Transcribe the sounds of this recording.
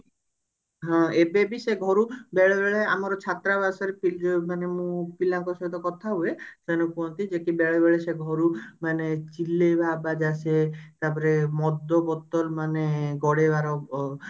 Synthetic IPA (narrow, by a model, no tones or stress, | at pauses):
ɦɔ̃ebebiseɡʱɔɾubɛɭebeɭea̰mɔɾɔt͡ʃʰat̪ɾabasɔɾepild͡ʒmanemũpilaŋkɔsɔt̪ɔkɔt̪ʰaɦuesɛnɔkuɔnt̪id͡ʒekibɛɭɔbɛɭeseɡʱɔɾumanet͡ʃilːebʱabad͡ʒaset̪apɔɾemɔd̪ːɔbɔt̪ɔlmaneɡɔɽebaɾɔ